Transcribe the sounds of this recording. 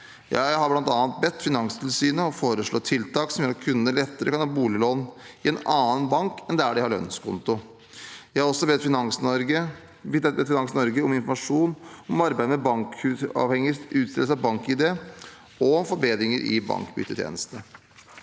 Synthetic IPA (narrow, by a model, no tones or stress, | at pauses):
jɑ̰ːjæɪhɑɾblɑnt̪ɑːnnt̪̚bɛt̪ːfɪnɑŋst̪ʰɪlsyːnəɔfoːɾəʂɭoːt̪ʰɪlt̪ɑːksɔmjøːɾɑkʰʉnːəlɛt̪ːəɾə̰kɑnhɑbuːlɪloːnɪɛnɑːənbɑŋkɛnd̪ææɖɪhɑɾɭœ̰nskʰʊ̰nt̪ʊ | jæɪhɑɾɔsɔbɛt̪ːfɪə | ɛbɛt̪ːfɪnɑŋsnɔɾɡəɔmɪnfɔɾmɑʂuːnɔmɑɾbæɪd̪əmɛbɑŋkʉɑ̰ːʋhɛŋːəsʉːt̪sɪ̰ləsəɑʋbɑŋkɪd̪eː | ɔɔmfɔɾbeːd̪ɾɪŋəɾʔɪ̰bɑ̰ŋkbʏ̰t̪ːət̪ʰjḛːnəst̪ə